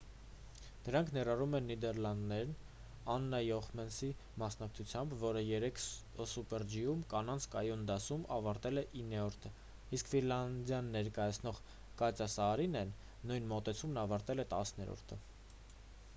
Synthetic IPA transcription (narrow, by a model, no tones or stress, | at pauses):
d̪̥əɾɑŋkʰnɛɾɑrumɛnːid̪ɛɾlɑnd̪nɛɾn | ɑnːɑjɔχmɛnsi | mɑsnɑk̚t͡sʰut͡sʰjɑmbvɔɾəjɛɾɛkʰ | supɛɾd͡ʒijumkɑnɑnt͡sʰkɑjund̪ɑsumɑvɑɾt̪ɛlɛʔinːɛɔɾt̪ʰə | iskfilɑnd̪jɑnːɛɾkɑjɑt͡sʰnɔʁ | kɑt͡sjɑsɑːɾinɛnː | ujnmɔt̪ɛt͡sʰumnɑvɑɾt̪ɛlɛt̪ɑsnɛɾɔ̰ɾt̪ʰə